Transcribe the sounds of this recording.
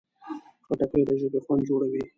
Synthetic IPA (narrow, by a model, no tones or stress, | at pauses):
xaʈakejd̪aʒəb̪exwand̪̚d͡ʒoɽawi